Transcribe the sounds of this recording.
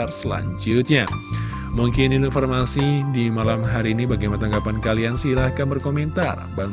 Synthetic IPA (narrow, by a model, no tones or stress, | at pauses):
arsəla̰ɲd͡ʒʊt̪̚ɲa | muŋkɪniluinformasidimalamɦaɾiːnibaɡajmanat̪aŋɡapankaliansilahkanbərkoment̪a̰rba